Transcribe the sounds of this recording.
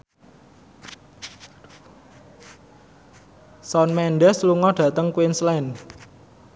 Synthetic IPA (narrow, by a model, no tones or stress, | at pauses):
sɔnmɛnɖɛsluŋɔɖ̥ä̤t̪əŋkwinslɛn